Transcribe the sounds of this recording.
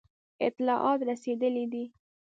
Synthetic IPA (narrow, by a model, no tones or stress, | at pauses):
ɪ̰t̪lɑʔɑt̪ɾased̪əlid̪i